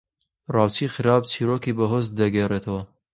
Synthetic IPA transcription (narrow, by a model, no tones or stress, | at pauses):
rɑːwt͡ʃiːxɨɾaːb̚t͡ʃʰiːɾokiːbɐɦozt̪d̪ɐɡeːret̪ʰɐwɐ